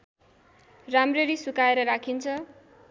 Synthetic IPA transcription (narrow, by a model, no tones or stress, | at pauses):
ramreɾisukaeɾʌɾakʰint͡sʰʌ